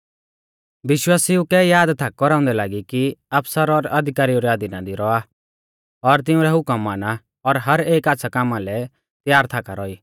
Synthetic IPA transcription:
ʋɪʃwaːsiukɛjaːd̪t̪ʰak̚ːkɔɾãːʊ̃nd̪ɛlaːɡikiɐpsəɾɔɾɐd̪ʱɪkaːɾiuɾɛad̪inad̪iɾɔa | ɔɾt̪̬ɪũɾɛɦʊkəmːaːna | ɔɾɦɐɾeːkaːt̪ːsʰakaːmãlɛ | t̪jaːɾt̪ʰakaɾɔːiː

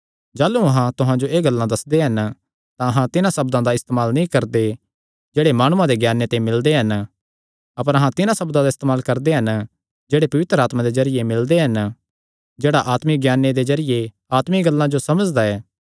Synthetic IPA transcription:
d͡ʒaːlːuɐɦãt̪ʊɦãd͡ʒoeːɡɐlːãd̪ɐsd̪eɦɐn | t̪ãɐɦãt̪ɪnãsɐbd̪ãd̪aɪst̪eːmaːlnɐĩkɐɾd̪e | d͡ʒeːɽemaːɽ̃ʊ̃ãd̪eɡjaːnːet̪ãĩmɪld̪eɦɐn | ɐpəɾɐɦãt̪ɪnãsɐbd̪ãd̪aɪst̪eːmaːlkɐɾd̪eɦɐn | d͡ʒeːɽepɐʋɪt̪ɾəaːt̪mãd̪ezɐɾɪjemɪld̪eɦɐn | d͡ʒeːɽaʔaːt̪mɪk̚ɡjaːnːed̪ezɐɾɪje | aːt̪mɪiɡɐlːãd͡ʒosɐməd͡ʒd̪aɛː

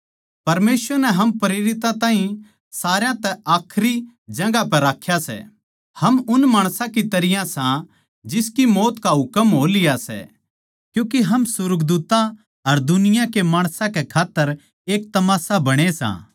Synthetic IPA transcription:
pɐɾmeːsʋəɾnɛɦɐmpɐɾeːɾɪt̪ãt̪ãːɦĩ | saːɾjãt̪ɛʔaːkʰɾi | d͡ʒɐ̃ɡapɛɾaːkʰːjasɛ̰ | hɐmʊnmaːɽ̃sãkit̪ɐɾɪjãsã | d͡ʒɪskimoːt̪kaɦʊkəmɦoːlɪjasɛ̰ | kjũːkeɦɐmsʊɾɡd̪uːt̪ã | ɐɾd̪ʊnɪjãkemaːɽ̃sãkekʰaːt̪ːəɾ | eːk̚t̪ɐmaːsabɐɽ̃esã̰

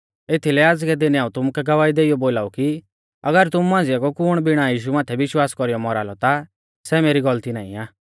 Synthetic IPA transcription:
et̪ʰilɛaːd͡zɡɛd̪ɪnɛaːũt̪ʊmukɛɡɐʋaːid̪eːijɔboːlaːuki | ɐɡəɾt̪ʊmuːãːnd͡zɪjakɔkʊːɽ̃bɪɽ̃ajiːʃ̬umãːt̪ʰɛʋɪʃwaːskɔɾijɔmɔɾaːlɔt̪a | sɛmeːɾiɡɔlt̪inaːḭ̃aː

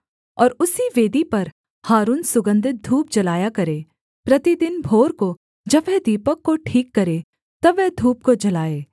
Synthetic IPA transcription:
ɔːɾʊsiʋeːd̪ipɐɾ | haːɾuːnsʊɡə̃nd̪ʱɪt̪̚d̪ʱuːp̚d͡ʒɐlaːjakɐɾẽː | pɾɐt̪id̪ɪnbʱoːɾko | d͡ʒɐbʋɛd̪iːpəkːoʈʰiːkːɐɾeː | t̪ɐbːɛːd̪ʱuːp̚kod͡ʒɐlaːeː

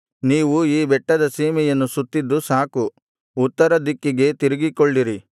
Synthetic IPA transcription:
niːʋuiːbɛʈːɐd̪ɐsiːmɛjɐnːusut̪ːid̪ːusaːku | ut̪ːɐɾɐd̪ikːiɡe̞t̪iɾiɡikoɭːiɾi

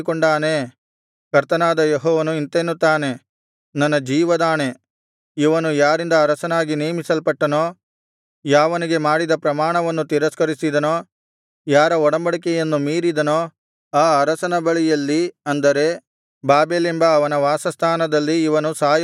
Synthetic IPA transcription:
koɳɖaːne | kɐɾt̪ɐnaːd̪ɐjeɦɔːʋɐnuint̪eːnːut̪ːaːne̞ | nɐnːɐd͡ʒiːʋɐd̪aːne̞ | iʋɐnujaːɾind̪ɐːɾɐsɐnaːɡineːmisɐlpɐʈːɐnoː | jaːʋɐniɡe̞maːɽid̪ɐpɾɐmaːɳɐʋɐnːut̪iɾɐskɐɾisid̪ɐnoː | jaːɾɐɔɽɐmbɐɽik̬ejɐnːumiːɾid̪ɐnoː | aːɐɾɐsɐnɐbɐɭijɐlːiɐnd̪ɐɾe̞ | baːbeːlembɐːʋɐnɐʋaːsɐst̪ʰaːnɐd̪ɐlːiːʋɐnusaːj

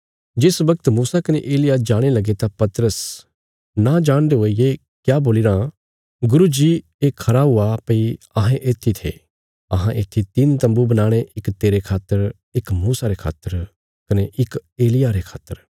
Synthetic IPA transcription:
d͡ʒɪsbɐkət̪muːsakɐnḛʔeːlɪjad͡ʒaːɽ̃elɐɡet̪apɐt̪ɾəs | nad͡ʒaːɽ̃d̪eɦoie | kjaːboːlɪɾã | ɡʊɾud͡ʒi | ekʰɐɾaɦʊapɐi | ɐɦẽʔeːt̪ʰːit̪ʰḛ | ɐɦãʔeːt̪ʰːit̪iːnt̪ɐ̃mbubɐnaːɽ̃eʔɪkt̪eːɾekʰaːt̪ːəɾ | ɪkmuːsaɾekʰa̰ːt̪ːəɾ | kɐneʔɪkeːlɪjaɾekʰa̰ːt̪ːəɾ

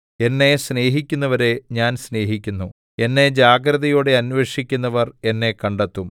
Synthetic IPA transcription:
e̞nːe̞sne̞ːɦikʲːunːɐʋɐɾe̞ɲaːnsne̞ːɦikʲːunːu | e̞nːe̞d͡ʑaːɡɾɐðɐjoːɽe̞ɐnʋeʂikʲːunːɐʋɐre̞nːe̞kɐɳɖɐt̪ːum

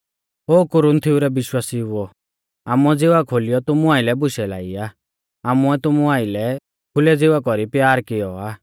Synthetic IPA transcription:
oːkʊɾʊnt̪ʰɪuɾɛbɪʃwaːsiʊɔ | aːmuɛd͡zɪʋakʰolɪjɔt̪ʊmuaːɪlɛbʊʃɛla̰ːiaː | aːmuɛt̪ʊmuaːɪlɛ | kʰʊlɛd͡zɪʋakɔɾipjaːɾkɪjɔaː

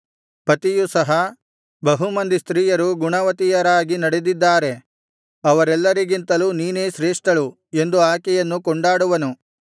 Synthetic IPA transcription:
pɐt̪ijusɐɦɐ | bɐɦumɐnd̪ist̪ɾiːjɐɾuɡuɳɐʋɐt̪ijɐɾaːɡinɐɽed̪id̪ːaːɾe̞ | ɐʋɐɾɛlːɐɾiɡint̪ɐluːniːneːʃɾeːʂʈɐɭu | e̞nd̪uaːkɛjɐnːukɔɳɖaːɽuʋɐnu

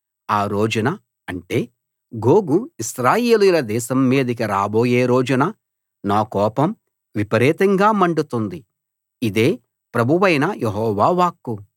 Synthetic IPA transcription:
aːɾo̞ːd͡ʒɐnɐ | ɐɳʈe̞ː | ɡo̞ːɡuiʃɾaːjeːlujulɐd̪ɛːʃɐmːeːd̪ɐkiɾaːbo̞ːjeːɾo̞ːd͡ʒɐnɐ | naːkɔːpɐm | ʋipɐɾɛːt̪ɐŋɡaːmɐɳɖut̪und̪i | id̪e̞ː | pɾɐbʱuʋɐjnɐjeɦɔːʋaːʋaːkːu

